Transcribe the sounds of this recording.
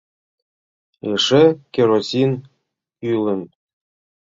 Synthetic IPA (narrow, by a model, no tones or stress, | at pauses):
eʂɘkʲeɾosʲin | ylɘ̆n